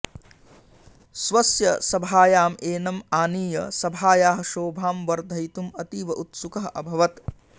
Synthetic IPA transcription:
sʋɐsjɐsɐbʱaːjaːmeːnɐmaːniːjɐ̰sɐbʱaːjaːɦɐ̆ʃoːbʱaːmʋɐɾd̪ʱɐjt̪umɐt̪iːʋɐʔut̪sukɐɦʔɐbʱɐʋɐt̪

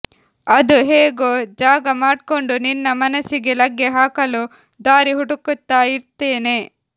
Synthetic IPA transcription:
ɐd̪uɦeːɡod͡ʒaːɡɐmaːɖko̞ɳɖuninːɐmɐnɐsiɡe̞lɐɡːeɦaːkɐlu | d̪aːɾiɦuɽukut̪ːaːjiɾt̪ːeːne̞

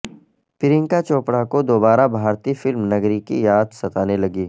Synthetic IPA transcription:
pɪɾɪ̃ŋkat͡ʃoːpɽakod̪oːbaːɾabʱaːɾt̪ifɪlmnɐɡɾikḭjaːd̪sɐt̪aːnelɐɡiː

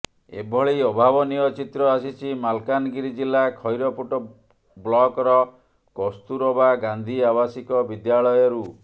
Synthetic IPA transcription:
ḛbʱɔɭejɔbʱabɔniɔt͡ʃit̪ɾɔasit͡ʃʰimalkanɔɡiɾid͡ʒilːakʰɔjɾɔpuʈɔ | blɔkɔɾɔ | kɔst̪uɾɔbaɡand̪ʱiaβasikɔbid̪jaɭɔjɔɾu

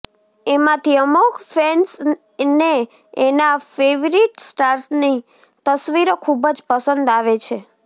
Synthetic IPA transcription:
emãt̪ʰiəmukʰfens | ne | enafeʋɾiʈsʈaɾsni | t̪əsʋiɾokʰubəd͡ʒpəsənd̪aʋet͡ʃʰe

